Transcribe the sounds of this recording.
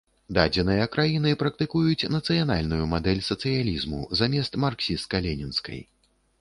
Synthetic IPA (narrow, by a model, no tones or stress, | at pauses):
d̪ad͡zʲɛnɨjɐkɾajinɨpɾɐk̚t̪ɨkujut͡sʲnɐt̪sɨjanalʲnujumad̪ɛlʲsɐt̪sɨjalʲizmṵzamʲɛst̪marksʲist̪̚kɐlʲɛnʲinskɐ̰j